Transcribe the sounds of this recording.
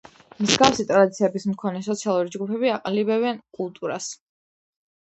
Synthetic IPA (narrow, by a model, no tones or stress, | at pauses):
mzɡafsit̪ʼɾad̪it̪sʰiɛbismkʰɔnɛsɔt̪sʰialˠuɾid͡ʒɡupʰɛbiaqʼalibɛβɛnkʼulˠt̪ʼuɾas